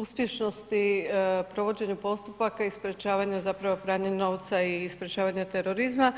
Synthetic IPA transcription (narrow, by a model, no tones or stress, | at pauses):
uspje̞ʃno̞st̪ipɾo̞ʋo̞d͡ʑe̞ɲupo̞st̪upakaispɾʲet͡ʃaːʋaɲazapɾaʋo̞pɾaːɲeno̞ʋt̪saispɾʲet͡ʃaːʋaɲat̪eɾo̞ɾizma